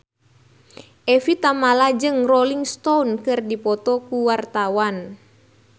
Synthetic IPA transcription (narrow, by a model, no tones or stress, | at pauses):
ʔɛfit̪amalad͡ʒɨŋrɔliŋst̪ɔunkɨrdipɔt̪ɔkuwart̪awan